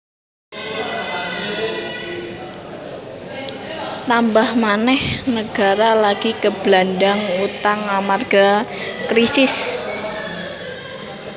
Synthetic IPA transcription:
t̪ambahmanɛhnəɡ̥a̤ɾalaɡ̥ikəb̥landaŋut̪aŋamarɡ̥akɾisɪs

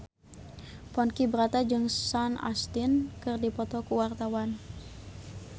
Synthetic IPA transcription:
pɔnkibəɾat̪ad͡ʒɨŋsana̰st̪inkɨrdipɔt̪ɔkuwart̪awan

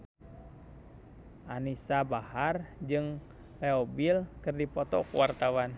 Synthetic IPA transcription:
ʔanisabahard͡ʒɨŋ | lɛɔbilkɨrdipɔt̪ɔ̰kṵwart̪awan

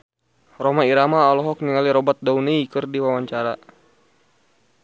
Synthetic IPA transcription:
rɔmaiɾamaːlɔɦɔk̚niŋaliɾɔbat̪̚dauniikɨrdiwawaɲt͡ʃaɾa

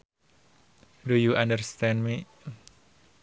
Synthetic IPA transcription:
dujuʔandərst̪ɛ̃nmi

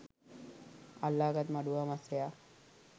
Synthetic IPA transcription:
alːaːkat̪maɖuʋamaseja

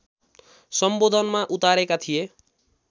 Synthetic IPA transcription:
sʌmbod̪ʱʌnmaʔut̪aɾekat̪ʰije

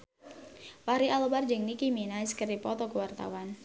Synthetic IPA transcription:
waɾiʔalobard͡ʒəŋnikiminaiskəripɔt̪ɔkuwart̪a̰wan

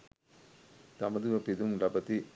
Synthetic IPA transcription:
t̪ɐmɐðɯʋɐpɪðɯmlɐbɐt̪ːi

